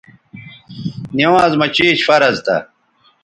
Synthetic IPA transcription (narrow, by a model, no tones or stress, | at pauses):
niwãːzmɐt͡ɕiːt͡ɕfɐɾɐzt̪ɐ̰